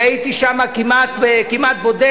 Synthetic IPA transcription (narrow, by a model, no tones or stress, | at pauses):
ait̪iʃamakimat̪bekimat̪̚bod̪e